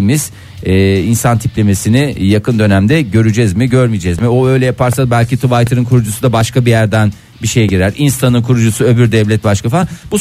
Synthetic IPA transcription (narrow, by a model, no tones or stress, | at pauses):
miz̥ | ɛːinsant̪ʰiplʲeme̞sinijakʰɯnd̪ø̞næmd̪ɛɟø̞ɾyd͡ʒɛzmiɟø̞ɾmid͡ʒɛzmioø̞jlʲɛjapʰaɾsabælʲcit̪ʰuvajt̪ʰɯɾɯnkʰuɾud͡ʒusud̪abaʃkabijæɾd̪æn | biʃe̞jɛɟiɾæɾinst̪ʰanɯnkʰuɾud͡ʒusuø̞byɾd̪ɛvlʲɛt̪̚baʃkafabu